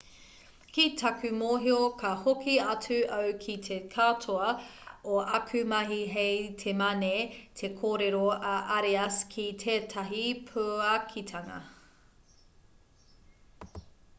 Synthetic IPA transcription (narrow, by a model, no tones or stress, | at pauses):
kitʰɐkʉmoːɦiokʰɐhokʰiɐt͡sʉʔɐwkʰitʰekʰatʰoɐoʔɐkʰʉmɐɦiɦejtʰemɐnetʰekʰoːɾeɾoɐʔaɾeɐskʰitʰeːtʰɐɦipʰuɐkʰitʰɐŋɐ̰